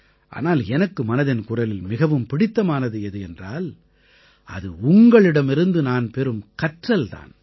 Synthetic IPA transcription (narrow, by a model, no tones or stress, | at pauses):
ʔa̰ːnaːlɛnɐkːɯmɐnɐðɪnkʊrɐlɪlmɪɣɐʋɯmpɪɽɪt̪ːɐmaːnɐðɯɪðɯɛndra̰ːl | ɐ̰ðɯʊŋɡɐɭɪɽɐmɪɾɯnd̪ɯnaːnpɛɾɯmkɐʈrɐlt̪a̰ːn